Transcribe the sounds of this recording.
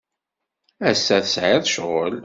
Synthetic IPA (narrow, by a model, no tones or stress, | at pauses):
æsːæθəsʕaðʃʁol